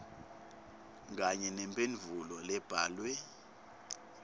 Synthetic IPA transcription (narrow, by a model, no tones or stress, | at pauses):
ŋɡaɲɛnɛmpʼenvʱulɔlɛb̥ʱaːlwɛ